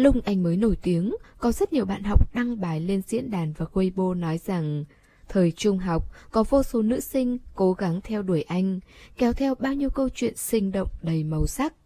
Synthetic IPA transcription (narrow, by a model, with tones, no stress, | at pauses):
lʊ˧ŋ͡mʔa˧jŋ̟məː˨˦jno˧˩jt̪i˨˦əŋkɔ˨˦zə˦˥t̚ɲi˨˩əwɓa̰ː˧˨nɦa˨˩wk͡p̚ɗa˧ŋɓaː˨˩jle˧nzḭ˧˥ənɗaː˨˩nvaː˨˩xwe˧jɓo˧nɔ˨˦jza˨˩ŋ | t̪ʰəː˨˩jt͡ɕʊ˧ŋ͡mɦa˨˩wk͡p̚kɔ˨˦vo˧so˨˦nɨ̰˧˥sï˧ŋ̟ko˨˦ɣa˨˦ŋt̪ʰɛ˧wɗu˧˩əjʔa˧jŋ̟kɛ˨˦wt̪ʰɛ˧wɓaː˧wɲi˧əwkə˧wt͡ɕwḭ˧˨ənsï˧ŋ̟ɗo̰˧˨wŋ͡mɗə˨˩jmə˨˩wsa˦˥k̚